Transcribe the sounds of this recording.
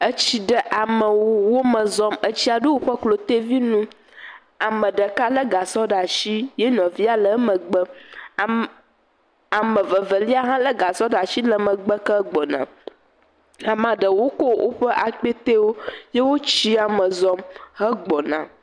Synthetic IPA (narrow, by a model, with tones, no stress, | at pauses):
ə˦t͡ɕi˦ɖə˦ʔa˨mə̃˨wo˦wo˦mə̃˨zɔ˦mə˦t͡ɕi˦a˨ɖo˦wo˦ɸə˦klo˨t̪e˦vi˦nũ˦ | a˨mə̃˨ɖə˨ka˦lə˦ɡa˨sɔ˦ɖa˨ʃi˦je˦nɔ̃˨vi˦a˦lə˦mə̃˨ɡ͡bə˦˨ | a˨mə̃˨və˨və˨li˦a˦ɦã˦lə˦ɡa˨sɔ˦ɖa˨ʃi˦lə˦mə̃˨ɡ͡bə˦kə˦ɡ͡bɔ˨nã̰˨ | a˨mã˨ɖə˨wo˦ko˦wʔo̰˦ɸə˦ʔa˨k͡pe˦t̪e˦wo˦je˦wo˦t͡ɕi˦a˨mə̃˨zɔ˦mɦə˦ɡ͡bɔ˨nã̰˨